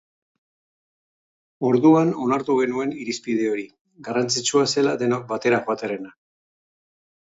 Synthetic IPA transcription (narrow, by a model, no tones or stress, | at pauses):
o̞ɾðuano̞naɾt̪uɣ̞e̞nue̞niɾispið̞e̞o̞ɾi | ɡarant͡sit͡ʃuase̞lad̪e̞nok̚bat̪e̞ɾaxoat̪eɾe̞na